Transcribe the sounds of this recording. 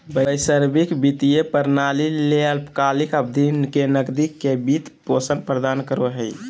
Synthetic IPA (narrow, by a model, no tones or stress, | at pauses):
bəjsəɾbikbit̪ijepəɾnalileəlpkalikəbd̪ʱinkenəɡd̪ikːebit̪posənpɾəd̪ankəɾoɦəj